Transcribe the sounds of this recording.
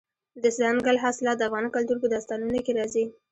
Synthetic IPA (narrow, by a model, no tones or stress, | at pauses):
d̪əslɑnɡalɦaslɑt̪̚d̪əafɣɑnkalt̪uɾpəd̪ast̪ɑlunokeɾɑzi